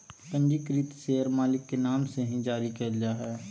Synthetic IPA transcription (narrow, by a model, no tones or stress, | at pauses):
t̪ə̃ɲd͡ʒikɾit̪seəɾmaːlɪkːenaːmseɦĩd͡ʒaːɾikəld͡ʒaɦɛː